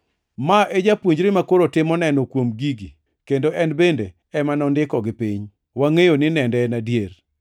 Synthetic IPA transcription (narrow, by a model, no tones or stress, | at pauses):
maʔed͡ʒapwoɲd͡ʒɾɪmakoɾotɪmɔnɛnɔkwomɡiɡi | kendoʔɛnbende | ɛmanɔndɪkɔɡɪpiɲ | waŋejonɪnɛndɛnadjer